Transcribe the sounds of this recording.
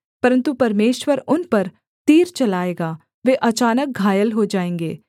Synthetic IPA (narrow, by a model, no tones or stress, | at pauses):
pɐɾə̃nt̪upɐɾmeːʃwəɾʊnpɐɾ | t̪iːɾt͡ʃɐlaːeːɡaː | ʋeːʔɐt͡ʃaːnək̚ɡʱaːjəlɦod͡ʒaːẽːŋɡeː